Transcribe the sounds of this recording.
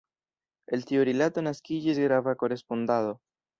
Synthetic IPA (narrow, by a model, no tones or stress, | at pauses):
e̞lt̪ioɾelato̞naskid͡ʒisɡɾavako̞ɾe̞spond̪aðo̞